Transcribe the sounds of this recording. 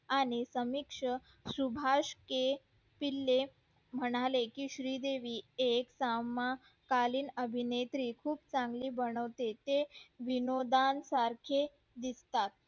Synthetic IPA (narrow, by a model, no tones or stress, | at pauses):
añisəmikʂə | subʱaʂke | pilːe | m̤əɽ̃alekiːɕɾiːd̪eʋiːeksama | kaliːnəbʱinet̪ɾiːkʰuːbt͡sãŋɡliːbəɽ̃əʋt̪et̪eʋinod̪ansaɾkʰe | d̪ist̪at̪̚